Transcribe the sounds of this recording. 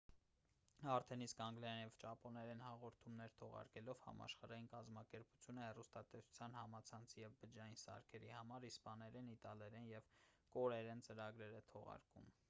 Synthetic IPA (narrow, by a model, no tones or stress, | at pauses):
ɑɾt̪ʰɛniskɑŋɡlɛɾɛnjɛvt͡ʃɑpɔnɛɾɛnhɑʁɔɾt̪ʰumnɛɾt̪ʰɔʁɑ̰ɾkɛlɔvhɑ̰mɑ̰ʃχɑɾɑjinkɑzmɑkɛɾpu̥t͡sʰjunəhɛrust̪ɑt̪ɛsʰu̥t͡sʰjɑnhɑmɑt͡sʰɑnt͡sʰijɛvbəd͡ʒɑjinsɑ̰ɾkʰɛɾihɑmɑɾispɑnɛɾɛnit̪ɑlɛɾɛnjɛvkɔɾɛɾɛnt͡səɾɑɡɾɛɾɛt̪ʰɔʁɑ̰ɾkum